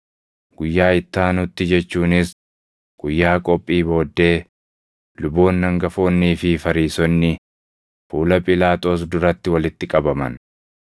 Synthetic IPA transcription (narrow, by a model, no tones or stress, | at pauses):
ɡ̥ʊjːaːɪt̪ːaːnʊt̪ːɪd͡ʒɛt͡ʃːuːnɪs | ɡ̥ʊjːaːkʼɔpʼːiːbo̞ːd̪ːe̞ː | lʊbo̞ːnːɐŋɡɐfoːnːiːfɪfɐɾiːsɔnːɪ | fuːlɐpʼɪlaːt̪ʼo̞ːs̬d̪ʊɾɐt̪ːɪwɐlɪt̪ːɪkʼɐbɐmɐ̰n